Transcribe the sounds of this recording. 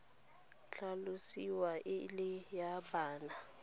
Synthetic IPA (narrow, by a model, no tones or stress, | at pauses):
ɬalusiwaʔɪlɪjabaːna